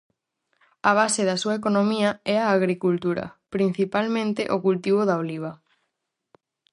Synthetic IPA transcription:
ɐβ̞aseðɐsuɐek̬onõmiɐɛaːɣɾikult̪uɾɐ̰pɾin̟θipalmẽnt̪eʔokult̪iβ̞oðaoliβ̞ɐ

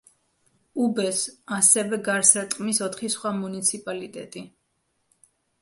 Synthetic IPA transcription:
ubɛsasɛvɛɡaɾsat̪ʼqʼmisɔt̪ʰχisχwamunit̪sʰipʼalit̪ʼɛt̪ʼi

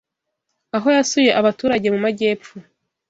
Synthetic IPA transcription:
aɦo̞jasuje̞ʔaβatuːɾaɟe̞mumaɟe̞ːpfu

